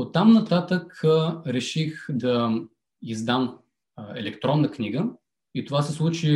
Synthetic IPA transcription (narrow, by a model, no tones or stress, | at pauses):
ot̪ːamnɐt̪at̪əkɾɛʃixd̪ɐ | izd̪am | ɛlɛkt̪ɾɔnːəkniɡə | it̪ovasɛslˠut͡ʃi